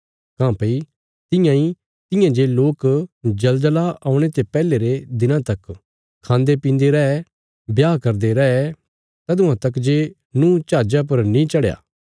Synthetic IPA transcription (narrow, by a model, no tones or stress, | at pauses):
kãːpɐi | t̪ɪ̃jãi | t̪ɪ̃jãd͡ʒeːloːkd͡ʒɐld̪laaːʊ̃ɽ̃et̪epɛːleɾed̪ɪnãt̪ɐk | kʰãːnd̪epĩːnd̪eɾɛɛ | bjaːkɐɾd̪eɾɛɛ | t̪ɐd̪ʊ̃ãt̪ɐkd͡ʒeː | nũt͡ʃaːd͡ʒap̬ɐɾnĩt͡ʃɐɽja̰ː